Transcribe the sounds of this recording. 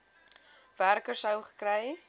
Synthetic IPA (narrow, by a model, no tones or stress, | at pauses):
værkərsəwχə̥krɛj